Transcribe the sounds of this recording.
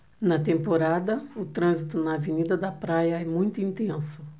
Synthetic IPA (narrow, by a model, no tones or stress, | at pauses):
nɐt̪ẽmpoɾad̪ɐʊt̪ɾɐ̃zit̪ʊnɐːvenid̪ɐd̪ɐpɾajɐɛmũj̃t̪ʊĩnt̪ẽsʊ